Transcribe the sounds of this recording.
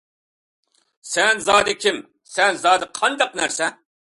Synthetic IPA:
sɛnzɑːd̪ɪkʲʰim | sɛnzɑːd̪ɨqʰɑnd̪ɑqnæɾsɛ

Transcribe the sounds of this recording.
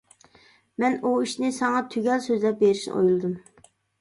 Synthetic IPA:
mɛnuiʃnɪsɑŋɑt̪ʰyɡʲɛlsøzlɛp̚beɾiʃnɨ̰ʔo̰julˠɨd̪ɨm

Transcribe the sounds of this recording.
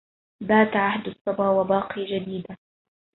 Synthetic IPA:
baːt̪ʕahd̪ɑsˤːɑbɾwabɑːqiːd͡ʒad̪iːd̪a

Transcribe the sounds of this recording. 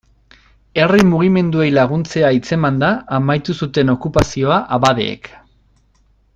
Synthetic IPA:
e̞rimuɣime̞nd̪ue̞jlaɣ̞unt͡se̞ait͡se̞mand̪aːmajt̪usut̪e̞no̞kupasio̞aʔaβaðe̞̰ːk

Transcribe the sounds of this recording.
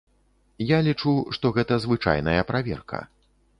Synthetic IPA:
jalʲit͡ʂuʂt̪ɔɣɛt̪ɐzvɨt͡ʂa̰jn̪ɐjɐpɾavʲɛ̰rkɐ̰

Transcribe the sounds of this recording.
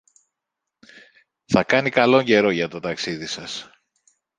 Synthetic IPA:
θɐkɐnikɐlo̞ɲɟe̞ɾo̞ʝɐt̪o̞t̪ɐksiðisɐs

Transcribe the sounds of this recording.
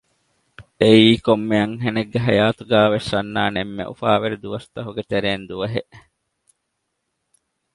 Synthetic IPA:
eiːkomːeɐŋɦeneɡːeɦɐjaːt̪uɡæːʋesːɐnːaːnemːḛʔṵfaːʋeɾid̪uʋɐst̪ɐɦuɡet̪eɾeːnd̪uʋɐɦeʔ

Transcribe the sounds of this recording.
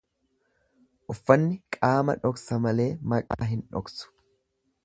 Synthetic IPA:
ʔʊfːɐnːɪkʼaːmɐ̰ᶑɔksɐmɐle̞ːmɐkʼa̰ːɦɪnᶑɔ̰ksʊ̥

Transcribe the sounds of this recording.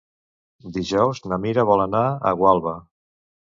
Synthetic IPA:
d̪iʒɛwznəmiɾəβɔlənaə̰ɣwalˠβə

